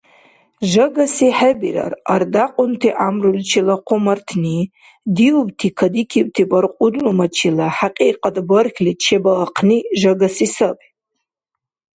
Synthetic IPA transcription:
ʒaɡasiħabira̰rardaqʷʼʊntʰiʔamrult͡ʃʰilaqʷʰʊmartʰni | diubtʰikʰadikʲʰib̚tʰibʼarqʷʼʊdlumat͡ʃʰilaħaqʼiqʼadʼbərkʰʲlit̚t͡ʃʰebalaqʰniʒaɡasisapʼ

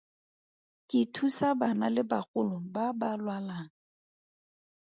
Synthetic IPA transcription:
kʼɪtʰusabanalɪbaχʼʊlʊbabalwalaːŋ̩

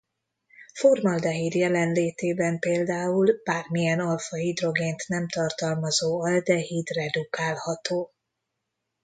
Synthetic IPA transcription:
formɒld̪ɛɦid̪jɛlɛnleːt̪eːbɛmpeːld̪aːulb̥aːrmijɛnɒlfɒɦid̪ro̞ɡeːnt̪nɛmt̪ɒrt̪ɒlmɒzoːɒld̪ɛɦiːd̪rɛd̪ukaːlhɒt̪oː

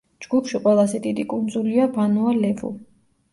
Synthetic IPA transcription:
d͡ʒɡ̥upʰʃiqʼwɛlˠazɛd̪id̪ikʼund̪zuliabanualɛvṵ

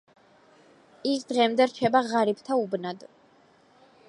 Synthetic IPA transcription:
ikʰd̪ʁɛmd̪ɛɾt͡ʃʰɛbaʁaɾip̚ʰt̪ʰaubnad̪

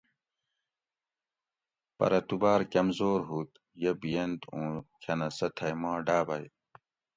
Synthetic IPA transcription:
pɐ̰ɾɐt̪ubaːɾkɐmzoːɾɦut̪ | jebijend̪ũːkʰɐnɐsɐt̪ʰɐjmãːɖaːbɐj

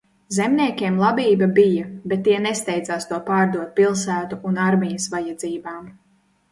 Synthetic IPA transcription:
zemnʲiɛkʲiɛmlˠabiːbabijɐbet̪ːiɛnest̪ɛjd̪zaːst̪uɔpaːɾd̪uɔt̪̚pilˠsæːt̪uʔunaɾmʲijɐsvajad̪ziːbaːm

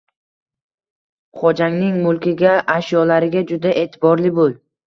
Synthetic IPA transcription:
χɒd͡ʒaŋnɪŋmʊlˠkʲɪɡʲaaʃjɒlaɾɪɡʲad͡ʒʊd̪aʔe̞ːt̪ʰɪbɒɾlɪbolˠ

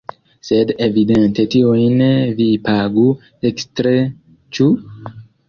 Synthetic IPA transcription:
se̞devide̞nte̞tiojnvipaɡu | ekstɾe | t͡ʃu

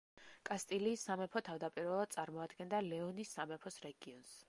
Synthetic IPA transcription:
kʼast̪ʼiliːsːamɛpʰɔt̪ʰavd̪apʼiɾvɛlˠad̪t̪sʼaɾmɔad̪ɡɛnd̪alɛɔnisːamɛpʰɔsɾɛɡiɔns

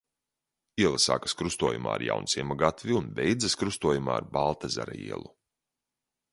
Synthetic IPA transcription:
iɛlˠasa̰ːkḁskɾust̪uɔːjuma̰ːɾja̰wnsiɛmaɡat̪vʲiunbʲɛjd̪zɐskɾust̪uɔjuma̰ːa̰ɾbalˠt̪aza̰ɾa̰ḭɛ̰lˠu

